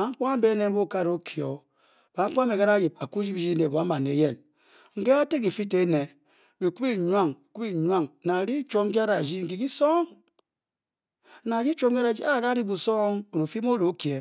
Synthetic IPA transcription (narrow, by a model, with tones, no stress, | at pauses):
a˨˦ŋ̩˦k͡pa˦m̩˦be˦ne˦m̩˦bu˦ka˦ɾo˦kʰi˨o˨ | ba˨˦ŋ̩˦k͡pme˨ka˦a˦d͡ʒi˨pa˨ku˦d͡ʒi˦bi˦d͡ʒi˦ne˨bo˨a˦ma˨ne˨˦je˦˨n | ŋ̩˨ke˦a˦te˦ki˨fi˦te˦ne˨ | bi˨ku˦i˦˨ɲ˦a˦˨ŋi˨ku˦i˦˨ɲʷ˦a˦˨ŋna˨ɾi˦t͡ʃo˦ŋ˦k̬i˦a˦ɾa˨d͡ʒi˦ŋ̩˨ki˨ki˦so˦ŋ | na˨d͡ʒi˦t͡ʃo˦ŋ˦ki˦ɾa˨d͡ʒi˦a˦˨ka˦ɾi˦bu˨so˦ŋo˨ɾo˨fi˦m˦o˦ɾo˨˦ki˨e˨